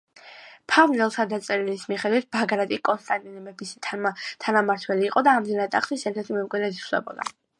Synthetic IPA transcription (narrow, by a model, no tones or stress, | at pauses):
pʰavnɛlˠt̪ʰad̪at̪sʼɛɾilismiχɛd̪wit̪̚ʰbaɡɾad̪ʼikʼɔnst̪ʼant̪ʼinɛbɛbisʰt̪ʰanamaɾt̪ʰwɛliːqʼɔd̪aːmd̪inat̪ʼaχsisɛɾt̪ʰɛɾt̪ʰimɛmkʼwid̪ɾɛd̪islɛ̰bɔ̰d̪a̰